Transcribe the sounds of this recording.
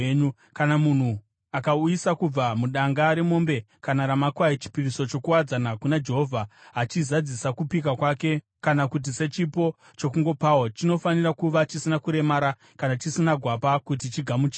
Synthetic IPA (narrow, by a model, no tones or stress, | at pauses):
ɲu | kanamun̤u | akaujisakub͡vamuɗaŋɡaɾe̞mo̞mbe̞ | kanaɾamakwait͡ʃi̥piriso̞t͡ʃo̞kuwad͡zanakunad͡ʒe̞ɦo̞vʱaɦat͡ʃizad͡zisakupik̬akwake̞ | kanakut̬ise̞t͡ʃipo̞ | t͡ʃo̞kuŋɡo̞pawot͡ʃino̞fanirakuʋat͡ʃisinakuɾe̞maɾa | kanat͡ʃisinaɡʱwapakut̬it͡ʃiɡʱamut͡ʃi